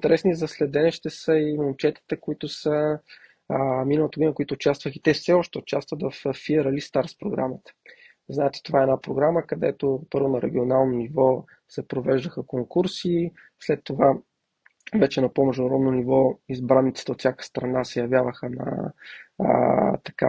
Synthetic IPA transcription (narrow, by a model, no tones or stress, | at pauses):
t̪ɛɾɛsnizɐslɛd̪ɛnɛʃt̪ɛsəimomt͡ʃɛt̪i̥t̪ɛkoit̪ʊsə | minəlˠət̪əɡd̪inəkʊit̪ʊːt͡ʃast̪vəxit̪ɛfsɛɔʃt̪ɛʊt͡ʃast̪vət̪vɐffːiɛɾəlist̪aɾspɾoɡɾa̰mət̪ə̥ | znaɛt̪ɛ̥t̪ovaɛːnapɾoɡɾaməkɐd̪ɛ̰t̪opɤɾvʊnɐɾɛ̰ɡ̟ionalˠnonivɔ | sɛpɾovɛʒd̪əxəkoŋkuɾsi | slɛt̪ːova | vɛt͡ʃɛnɐpomɛʒd̪ʊɾɔd̪nonivɔizbɾanːit̪sə̥t̪əot̪sʲjakə̥st̪ɾɐnasɛjɐvjavəxənɐ̰ | t̪ɐ̥ka